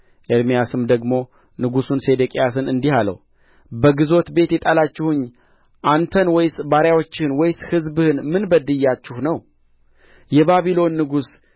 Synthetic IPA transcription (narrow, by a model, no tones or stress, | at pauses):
ʔeɾmijasɨmd̪əɡmo̞ | nɨɡusunse̞d̪ekʼijasɨnɨnd̪ihalə̰w | bəɡɨzo̞t̪be̞t̪jɛt̪ʼalat͡ʃːɪhʊɲː | ʔant̪ʰənwɔjsbaɾjawo̞t͡ʃːɪhɨnwɔjshɨzbɨhɨnmɨnbəd̪ɨjːat͡ʃːɪhnəw | jɛβaβilo̞nːɨɡus